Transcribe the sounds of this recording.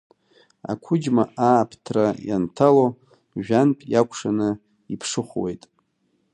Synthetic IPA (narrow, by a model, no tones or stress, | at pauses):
a̰kʷʰʊd͡ʒmaʔaːpʰtʰrajantʰalo | ʒᶣanpʼjakʷʰʼʂanɨ | ipʰʂɨχʷwejtʼ